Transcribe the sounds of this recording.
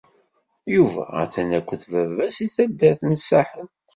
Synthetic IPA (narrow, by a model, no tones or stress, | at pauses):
juvæ̰æ̰θænækʷːəθvævæsiθæd̪ːæθməsːaħən